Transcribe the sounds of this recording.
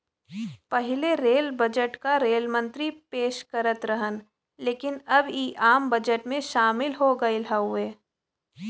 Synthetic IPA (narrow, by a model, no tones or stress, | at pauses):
pɐɦɪleɾeːlbɐd͡ʒəʈkaɾeːlmə̃nt̪ɾipeːʃkɐɾət̪ɾɐɦən | leːkɪnɐbiʔaːmbɐd͡ʒəʈmẽʃaːmɪlɦoɡɐɪlɦaɦʊeː